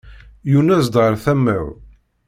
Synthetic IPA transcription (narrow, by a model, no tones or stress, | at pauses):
junæzd̪ʁəɾˤθæmːæw